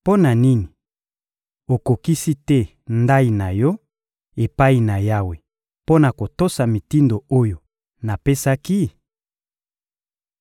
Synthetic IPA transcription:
po˦na˨ni˦ni˨ | o˨ko˨ki˦si˦tɛ˦ | nda˦i˨na˨jɔ˦ | e˨pa˦i˨na˨ja˦we˨ | po˦na˨ko˨to˦sa˨mi˨ti˦ndo˨o˦jo˨ | na˨pe˦sa˦ki˦

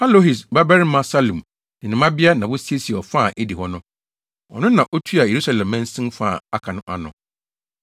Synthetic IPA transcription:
ha˦lo˦ɦi˨s̬ba˦bɛ˦ɾɪ˦mã˦sa˦lũ˨m | nɪ̃˨nɪ̃˨mã˦bɪ˦a˦nã˨wʊ˦si˦e˦si˨ɛ˨ɔ˨fa˦˨ʔe˦di˨hɔ˦nʊ̃˦ | ɔ̰˨nʊ̃˦nã˨ʔɔ˦tʰu˦a˨je˨ɾu˦sa˨lɛ̃˨mːɛ̃˦n̩˦sɪ̃˦mfa˦˨a˦kʰã˨nʊ̃˦ʔa̰˨nʊ̃˨

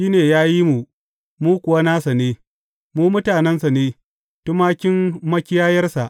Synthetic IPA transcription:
ʃiː˦neː˨jaː˦ji˦mu˨ | muː˦kʷʊ˨wa˦naː˦sa˨neː˨ | muː˦mʊ˦taː˨nɛ˦nsa˨neː˦ | tʊ˦maː˦kʲɪ˦mmɐ˦kʲɪ˦jaː˦jɐ˦rsa˨ʔ

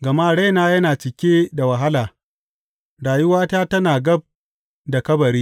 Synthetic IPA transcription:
ɡɐ˨maː˦ɽa˦jnaː˦jɐ˦naː˨t͡ʃɪ˨kʲeː˦da˨wɐ˨ɦa˦laː˨ | ɽaː˨jʊ˦waː˦taː˦tɐ˦naː˨ɡɐ˦b̚ | da˨kɐ˦bɐ˨ɾiː˦

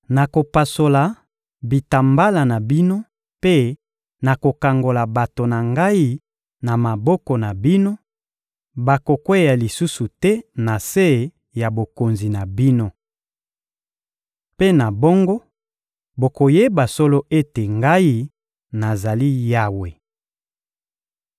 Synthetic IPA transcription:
na˨ko˨pa˨so˨la˨ | bi˨ta˨mba˦la˨na˨bi˦no˦ | pe˦ | na˨ko˨ka˨ŋɡo˨la˨ba˨to˨na˨ŋɡa˦i˦ | na˨ma˨bɔ˦kɔ˨na˨bi˦no˦ | ba˨ko˨kwe˦ja˨li˨su˦su˨tɛ˦na˨se˦˨ | ja˨bo˨ko˨nzi˨na˨bi˦no˦ | pe˦na˨bɔ˦ŋɡɔ˦ | bo˨ko˨je˦ba˨so˦lo˦ʔe˦te˨ŋɡa˦i˦ | na˨za˨li˦ja˦we˨

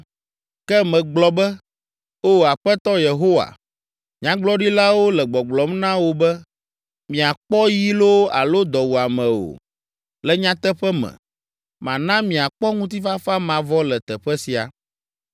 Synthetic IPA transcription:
kɛ˦mɛ̃˨ɡ͡blɔ˨bɛ˦ | o˦˨a˨ɸɛ˦t̪ɔ˦je˨ɦo˦wa̰˨ | ɲã˦ɡ͡blɔ˦ɖi˦la˦wo˦lɛ˨ɡ͡bɔ˨ɡ͡blɔ˨mnã˦wo˦bɛ˦ | mĩ˨a˨k͡pɔ˦ji˦lo˦a̰˨lo˦d̪ɔ˨wu˨a˨mɛ̃˨o̰˨ | lɛ˨ɲã˦t̪ɛ˦ɸɛ˦mɛ̰̃˨ | mã̰˨nã˦mĩ˨a˨k͡pɔ˦ŋũ˦t̪̬i˦fa˦fa˦mã˨vɔ˦lɛ˨t̪ɛ˨ɸɛ˦si˨a̰˨

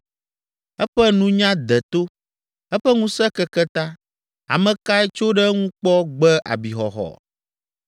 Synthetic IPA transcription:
ɛ˦ɸɛ˦nũ˦ɲã˦d̪ɛ˨t̪o˦ | ɛ˦ɸɛ˦ŋũ˦sɛ˦kɛ˦kɛ˦t̪ã˦ | a̰˨mɛ̃˨ka˦ɛ˦t͡ʃo˦ɖɛ˦ŋũ˦k͡pɔ˦ɡ͡bɛ˦ʔa̰˨bi˨xɔ˨xɔ̰˨

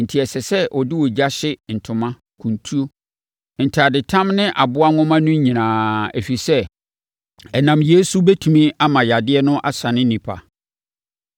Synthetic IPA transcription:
n̩˨tʰi˨ɛ˨sɛ˨sɛ˦ʔɔ˨dɪ˦wɔ˨d͡ʑa˦ɕɪ˦n̩˨tʰʊ̃˨mã˦ | kʰũ˨ntʰu˦o˦ | n̩˨tʰa˨dɪ˨tʰã˦mnɪ̃˦ʔa˨bʊ˦a˦ŋɔ̃˦mã˦nʊ̃˦ɲĩ˨nãː˨æ˨fi˨sɛ˦ | ɛ˨nã˨mje˦su˦bɛ˦tʰũ˨mĩ˦a˦mã˨ja˨dɪ˦ɛ˦nʊ̃˦ʔa̰˦sã˨nɪ̃˦nĩ˨pʰa̰˨

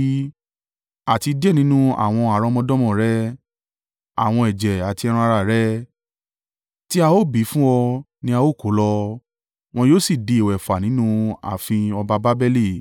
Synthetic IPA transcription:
a˨ti˧dɛ˦nĩ˨˦nũ˦a̰˦˨w̃ɔ̃˧a˨ɾɔ̃˧mɔ̃˧dɔ̃˦mɔ̃˦˨ɾɛ˦ | a̰˨w̃ɔ̃˧ɛ˨d͡ʒɛ˨a˨ti˧ɛ˧ɾ̃ã˧ɾa˧˨ɾɛ˦ | ti˦a˧o˦˨bi˨˦fũ˦ɔ˧ | nĩ˧˦a˧o˦˨ko˨˦lɔ˧ | w̃ɔ̃˧joː˦si˨de˨i˨wɛ˨fa˨nĩ˨˦nũ˦a̰˨fĩ˧ɔ˧ba˧ba˦bɛ˦le˦˨

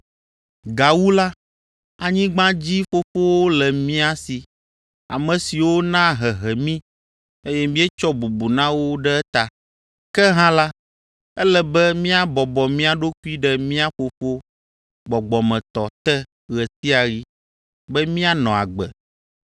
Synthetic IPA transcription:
ɡa˨wu˦la˦ | a˨ɲĩ˦ɡ͡bã˦d͡ʑi˦ɸo˦fo˦wo˦lɛ˨mĩ˦a˨si˨ | a̰˨mɛ̃˨si˨wo˦nã˦ɦɛ˨ɦɛ˨mĩ˦ | e˦jɛ˦mĩ˦ɛ˦t͡ʃɔ˦bu˨bu˨nã˦wo˦ɖɛ˦t̪a˨ | kɛ˦ɦã˦la˦ | ɛ˦lɛ˨bɛ˦mĩ˦a˦bɔ˨bɔ˨mĩ˦a˨ɖo˦ku˦i˦ɖɛ˦mĩ˦a˦ɸo˨fo˦ | ɡ͡bɔ˨ɡ͡bɔ˨mɛ̃˨t̪ɔ˨t̪ɛ˦ | ɣɛ˨si˦a˨ɣi˦ | bɛ˦mĩ˦a˦nɔ̃˨a̰˨ɡ͡bɛ˨

